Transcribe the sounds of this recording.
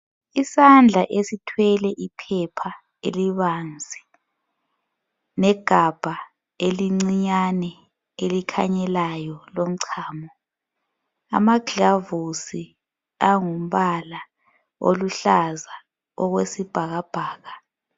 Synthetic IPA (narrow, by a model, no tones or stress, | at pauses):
isand͡ɮʱaʔesitʰwɛlɛʔipʰɛpʰa | ḛliβand͡zʱi | nɛɡ̥ʱab̥ʱa | eliŋ͡ǀiɲanɛ | elikʰaɲɛlajɔlom̩ǀʰaːmɔ | a̰maɡʱavusi | aŋum̩βala | o̰luɬaza | ɔɣwesib̥ʱaɣab̥ʱaːɣa